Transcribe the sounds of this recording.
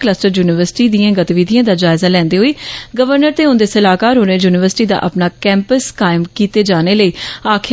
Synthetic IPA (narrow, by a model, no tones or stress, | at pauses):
kləsʈəɾjuːnɪʋəɾsɪ̥ʈiːd̪ijãːɡət̪iʋiːd̪ʱijãːd̪aːd͡ʒaːɪzaːlɛ̃ːnd̪eːɦoiːɡəʋəɾnəɾt̪eːʊ̃nd̪eːsəlaːkaːɾɦoːneːjuːnɪʋəɾsʈiːd̪a̰ːʔə̰pnaːkɛ̃ːmpəskaːɪmkiːt̪eːd͡ʒaːneːləiːaːkʰ